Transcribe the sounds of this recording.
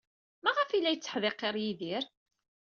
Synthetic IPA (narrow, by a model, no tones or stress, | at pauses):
mæʁəfilːæjət͡sːə̥ħðeqːeɾˤjiðiɾ